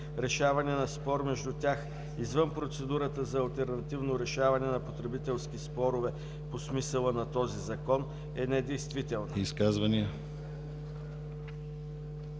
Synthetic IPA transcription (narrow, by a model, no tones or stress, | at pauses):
ɾɛʃavɐnɛnɐspɔɾmɛʒd̪ut̪ʲjax | izvɤnpɾot̪sɛd̪uɾət̪əzɐːlˠt̪ɛɾnɐt̪ivnoɾɛʃavɐnɛnɐpot̪ɾɛbit̪ɛlˠsk̟ispɔɾʊvɛ | posmisəlˠənɐt̪ɔzizɐkɔn | ɛnɛd̪ɛjst̪vit̪ɛlˠniskazvɐniə